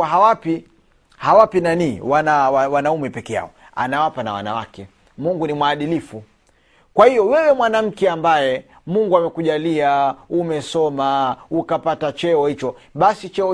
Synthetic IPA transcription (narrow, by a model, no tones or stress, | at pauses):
ɦawapi | hawapinaniːwanawawanaumɛpɛkɛja̰ɔ | a̰nawapana̰wa̰na̰wa̰kɛ | muŋɡunimwaːɗilifu | kwahijɔwɛwɛmwanam̩kɛambajɛ | muŋɡuamɛkuʄaliaumɛsɔmaukapatat͡ʃɛɔhit͡ʃɔɓasit͡ʃɛɔ